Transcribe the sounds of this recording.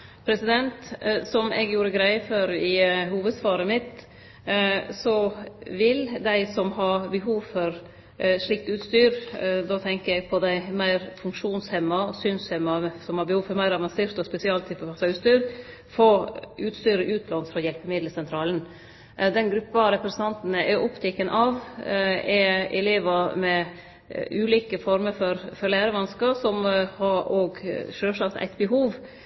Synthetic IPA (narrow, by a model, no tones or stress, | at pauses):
pʰɾɛsɪd̪ɛnt̪sɔmɛɡjuːɾəɡɾæɪføːɾɪhuːʋəd̪sʋɑːɾəmɪt̪ | sɔʋɪld̪æɪsɔmɦɑbɛɦuːʋfɔɾ | ʂɭɪk̚t̪ʉːt̪st̪yːɾd̪oːt̪ʰɛŋkəɛɡpʰɔd̪æɪmæɪɾfʉŋkʂuːnshɛmːɑɔsyːnshɛmːɑsɔmhɑɾbɛhuːʋfɔɾmæɪɾɑʋɑnseːɾt̪ɔspɛsɪɑːlt̪ʰːɪpːəpʰɑsɑʉːt̪st̪yːɾ | foʔʉːt̪st̪yːɾəʔʉːt̪ʰlɑnfɾɔjɛlpəmɪd̪ləsɛnt̪ʰɾɑːlən | d̪ɛnɡɾʉpːɑɾɛpɾɛsənʰɑnt̪n̩əʔɛʔʊpt̪ʰɪkːənʔɑʋ | ɛɛ̰leːʋɑmɛ | ʉːliːkəfɔɾməɾfɔɾfɔɾlæːɾəʋɑnskəsɔmhɑɾoːɡʃøːʂɑkt̪ʰæ̰ɪt̪bəɦuːʋ